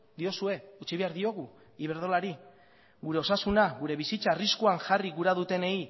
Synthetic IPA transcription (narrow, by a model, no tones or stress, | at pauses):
d̪io̞sue̞ut͡ʃiβe̞aɾðio̞ɣ̞u | iβ̞e̞ɾð̞o̞laɾi | ɣuɾe̞o̞sasunaɣuɾe̞βisit͡saːriskuaŋʝariɣuɾaðut̪e̞ne̞i